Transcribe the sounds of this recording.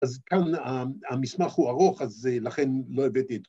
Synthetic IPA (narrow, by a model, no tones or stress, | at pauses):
azkanaamismaχhuaʁo̞χazelaχenlo̞evet̪iet̪